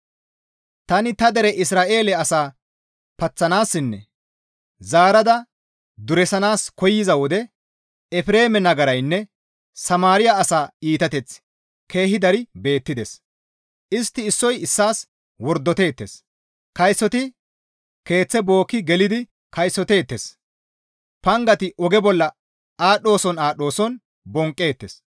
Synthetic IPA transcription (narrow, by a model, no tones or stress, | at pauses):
t̪ɐnɪt̪ɐd̪ɛɾɛʔɪsɾaːʔe̞ːlɛɐsaː | pɐt͡sːɐnaːsːɪnːɛ̰ | zaːɾɐd̪ɐ | d̪ʊɾɛsɐnaːskɔjːɪzɐwɔd̪ɛ | ɛfɪɾe̞ːmɛnɐɡɐɾɐjnːɛ | sɐmaːɾɪjaɐsaːiːt̪ɐt̪ɛt͡s | ke̞ːhɪd̪ɐɾɪbe̞ːt̪ːɪd̪ɛs | ʔɪst̪ːɪːsːɔjɪsːaːs | wɔɾd̪ːɔt̪e̞ːt̪ːḛs | kɐjsːɔt̪ɪ | ke̞ːt͡sːɛbo̞ːkːɪɡɛlɪd̪ɪ | kɐjsːɔt̪e̞ːt̪ːes | pɐŋɡɐt̪ɪʔɔɡɛbɔlːɐ | aːɗːo̞ːsɔnaːɗo̞ːsɔn | bɔŋkʼːe̞ːt̪ːes